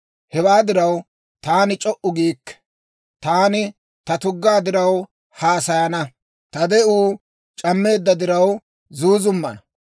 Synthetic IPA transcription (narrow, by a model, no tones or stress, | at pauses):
hɛwaːd̪ɪɾɐw | t̪aːnɪt͡ʃʼɔʔʊɡiːkːɛ̥ | t̪aːnɪ | t̪ɐt̪ʊɡːaːd̪ɪɾɐw | haːsɐjɐnɐ | t̪ɐd̪ɛuː | t͡ʃʼɐmːe̞ːd̪ːɐd̪ɪɾɐw | zuːzʊmːɐ̰nɐ